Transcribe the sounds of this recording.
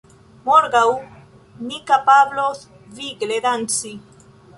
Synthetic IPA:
moɾɡaw | nikapaβlos | viɡledant͡si

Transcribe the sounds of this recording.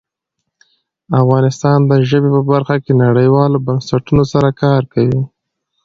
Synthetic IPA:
afɣɑnɪst̪ɑnd̪əʒəbepəbaɾxakenaɽəjwɑlobansaʈunosaɾakɑɾkawi

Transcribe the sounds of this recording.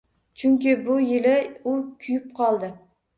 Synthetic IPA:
t͡ʃʰʊŋʲkʲɪbʊjɪlɪʊkʲʰʊjɪp̚qʰɒlˠd̪ɪ

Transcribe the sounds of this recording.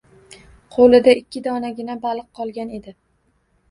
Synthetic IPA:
qʰolˠɪd̪aɪkʲʰːɪd̪ɒnaɡʲɪnabalˠɨqʰːɒlˠɡʲane̞d̪ɪ

